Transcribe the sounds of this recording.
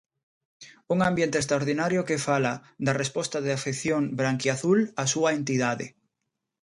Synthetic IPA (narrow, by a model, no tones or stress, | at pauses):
uŋãmbjẽnt̪est̪ɾaoɾðinaɾjokefalad̪arespɔst̪aðeafeθjoŋbɾaŋkiaθulasuaent̪iðaðḛ